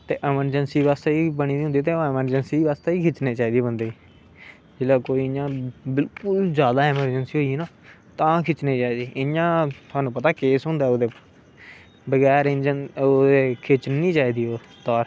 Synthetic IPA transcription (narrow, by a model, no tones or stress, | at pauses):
t̪ḛːʔɪməɾd͡ʒənsiːʋaːst̪eːiːbəɳiːd̪iːʊ̃nd̪iːt̪eːoɪməɾd͡ʒənsiːʋaːst̪eːiːkʰɪt͡ʃneːt͡ʃaːiːd̪iːbənd̪eː | d͡ʒɪlaːkoːiːɪjãːbɪlkʊlzjaːd̪aːɪməɾd͡ʒənsiːɦoːinãː | t̪ãːkʰɪt͡ʃniːt͡ʃaːiːd̪iːʔɪjãːt̪ʰʊaːnũːpət̪aːkeːsɦʊ̃nd̪aːod̪eː | bəɡɛːɾẽd͡ʒənod̪eːkʰɪt͡ʃniːt͡ʃaːiːd̪iːoː | t̪ɔːɾ